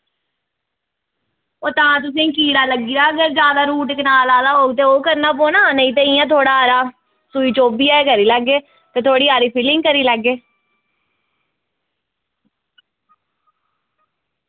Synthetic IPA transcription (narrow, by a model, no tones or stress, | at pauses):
oːt̪ãːt̪̬ʊs̬ẽːkiːɽaːləɡiːaːəɡəɾd͡ʒjaːd̪aːɾuːʈɪkənaːlaːlaːɦoːɡt̪̬eːoːkəɾnaːpoːnaːnəĩːt̪̬ẽĩːɛ̃ːt̪ʰoːɽaːɾaː | suiːt͡ʃoːbiːaːekəɾiːləɡeː | t̪eːt̪ʰoːɽiːaːɾiːpʰɪlɪ̃ŋɡ̚kəɾiːləɡːeː